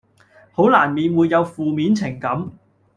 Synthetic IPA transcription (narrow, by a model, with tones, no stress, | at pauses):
ho˨˥wlaː˨˩nmiː˨˧nwuː˨˧jːɐ˨˧wfuː˨miː˨˥nt͡sʰɪ˨˩ŋkɐ˨˥m